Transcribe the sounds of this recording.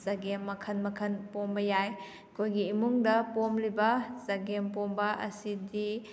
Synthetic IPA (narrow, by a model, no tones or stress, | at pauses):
zaɡemːɐkʰɐnmɐkʰɐnpombɐjaj | kʰojɡiːmuŋdɐpomlibɐzaɡempombɐʔɐsidi